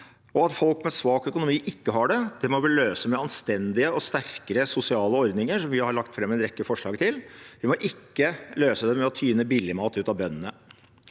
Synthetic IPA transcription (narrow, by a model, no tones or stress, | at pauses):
ɔɑt̪fɔlkmɛsʋɑːkœkʊnʊmiːʔɪkːəɦɑɖɛd̪̥ɛmɔʋɪløːsəmɛɑnst̪ɛnd̪ɪəɔst̪æɾkəɾəsʊsɪɑːləɔɾd̪nɪŋəʂɔmʋɪhɑɾɭɑkt̪fɾɛmːɛnɾɛkːəfɔʂɭɑːɡt̪ʰɪlʋɪmɔʔɪkːəløːsəd̪ɛmɛɔt̪ʰyːnəbɪlːɪmɑːt̪ʉːt̪ɑʋbœnːənə